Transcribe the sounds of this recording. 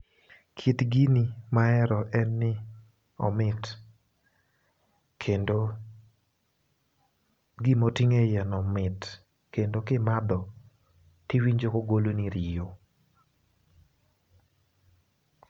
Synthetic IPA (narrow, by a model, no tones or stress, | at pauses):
kʰitɡinimaɛɾɔʔɛnːɪ | ɔ̰mɪt | kʰendo | ɡimotiŋejɛnɔmɪt | kendokɪmad̪ɔ | tɪwiɲd͡ʒokoɡoloniɾɪjo